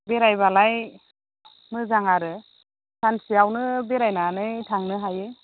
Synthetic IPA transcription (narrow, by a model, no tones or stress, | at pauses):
beɾajβalaj | mɯzaŋaɾɯ | sʰansiawnɯbeɾajnanɯjtʰaŋnɯɦajɯ